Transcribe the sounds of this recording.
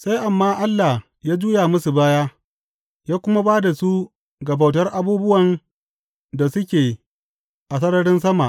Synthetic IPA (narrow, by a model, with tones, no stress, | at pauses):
sa˦jʔa˨mːaː˦ʔa˦lːa˨h | jaː˦d͡ʒuː˦ja˨mʊ˦su˨baː˦jaː˦ | jaː˦kʷʊ˦ma˦baː˦da˨su˦ | ɡɐ˨ba˨wtɐ˦rʔa˨buː˦bʊ˦wɐ˨n | da˨sʊ˦kʲeː˨ | ʔa˨sɐ˦ɽɐ˦ɽɪ˦ns̬ɐ˦ma˨ʔ